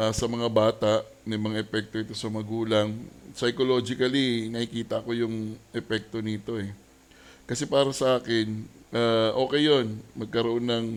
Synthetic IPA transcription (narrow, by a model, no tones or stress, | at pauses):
ʔasɐmɐŋabaːt̪aʔ | nɐmɐŋaʔɛpɛk̚t̪o̞ɪt̪o̞sɐmɐɡuːlɐŋsɐjkolo̞ːd͡ʒɪkɐlinɐhikiːt̪ɐɐko̞jʊŋʔɛpɛk̚t̪o̞nit̪o̞ɛ | kɐsɛpaːɾɐsɐʔaːkɪnʔaːʔo̞ːkɛjːo̞nmɐɡ̚kɐɾoʔo̞nːɐŋ